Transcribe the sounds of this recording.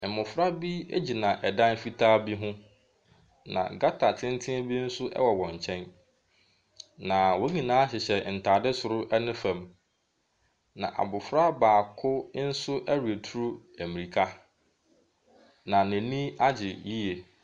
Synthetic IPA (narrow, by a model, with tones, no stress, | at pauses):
m̩˨mʊ̃˨fɾa˦bi˦e˦d͡ʑi˨nã˨ʔɛ˨dã˦n˦fi˦tʰaː˦bi˦ɦʊ̃˦ | nã̰˨ɡa˦tʰa˨tʰɪ̃˦n˦tʰɪ̃˦bi˦n̩˦sʊ˦ʔɛ̰˦wɔ˨wɔ̃˨ɲ˨t͡ɕʰɛ̃˦n | nã˨wo˦ɲĩ˨nãː˨˦ɕɪ˨ɕɛ˨n̩˨tʰaː˨dɪ˦sʊ˨ɾʊ˦ʔɛ˦nɪ̃˦fæ̃˨m | nã̰˨ʔa̰˨bʊ˨fɾa˦baː˨kʰʊ˦n̩˦sʊ˦ʔæ˦ɾu˨e˨tʰu˦ɾu˦ | æ˨mi˨ɾi˨kʰa˦ | nã˨næ̃˨nĩ˦a˦d͡ʑɪ˨ji˦je˨